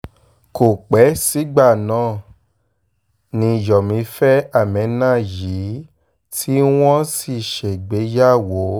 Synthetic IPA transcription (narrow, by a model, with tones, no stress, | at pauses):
ko˨k͡pɛ˨˦si˨˦ɡ͡ba˦˨nã˦˨ | nĩ˧jɔ˨mĩ˨˦fɛ˦a˦˨mɛ̃˨˦nã˦˨ji˨˦ | tʰi˦w̃ɔ̃˦si˦˨ʃe˨ɡ͡be˨˦ja˦˨wo˨˦